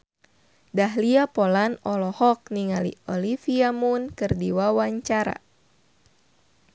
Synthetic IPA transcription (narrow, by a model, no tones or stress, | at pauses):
daɦliapɔlanɔlɔhɔk̚niŋalḭɔlifiamunkɨrdiwawaɲt͡ʃaɾa̰